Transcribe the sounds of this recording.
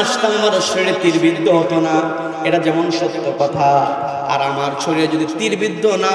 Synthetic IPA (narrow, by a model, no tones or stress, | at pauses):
aʃt̪anmaɾoʃeɽet̪iɾbid̪ʱːoɦɔt̪ona | eʈad͡ʑɛmonʃɔt̪ːokɔt̪ʰa | a̰ɾamaɾt͡ɕʰoɾiɾad͡ʑod̪it̪iɾbid̪ʱːona